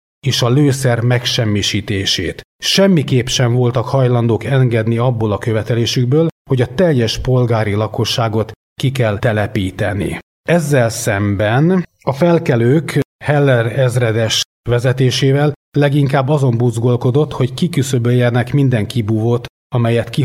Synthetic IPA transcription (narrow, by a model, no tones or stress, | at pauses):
eːʃɒløːsɛrmɛkʃɛmːiʃiːt̪eːʃḛːt̪ʃɛmːikeːpʃɛɱvo̞lt̪ɒkhɒjlɒnd̪oːkɛŋɡɛd̪niɒbːo̞lɒkøvɛt̪ɛleːʃyɡ̚bøːlho̞ɟɒt̪ɛjːɛʃpo̞lɡaːɾilɒko̞ʃːaːɡo̞t̪ | kikɛlɛlɛpiːt̪ɛnḭ | ɛzːɛlsɛmbɛn | ɒfɛlkɛløːkhɛlːɛrɛzrɛd̪ɛʃ | ʋɛzɛt̪eːʃeːvɛlːɛɡiŋkaːbːɒzo̞mbuzɡo̞lko̞d̪o̞t̪ho̞ckikysøbøjɛnɛkmind̪ɛŋkibuːvot̪ | ɒmɛjɛt̪ki